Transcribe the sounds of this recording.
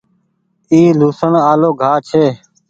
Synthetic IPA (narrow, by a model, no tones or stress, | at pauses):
iːluːsəɳaːloːɡʱaːt͡ʃʰeː